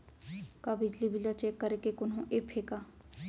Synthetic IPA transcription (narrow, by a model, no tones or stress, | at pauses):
kabɪd͡ʒlibɪlat͡ʃeːkːəɾekekʊnɦõʔeːpʰeːkaː